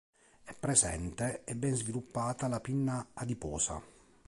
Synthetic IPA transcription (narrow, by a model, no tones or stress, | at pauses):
ɛpːɾezɛ̰nt̪eɛbːɛnzvilupːaːt̪alapinːaːd̪ipɔːsa̰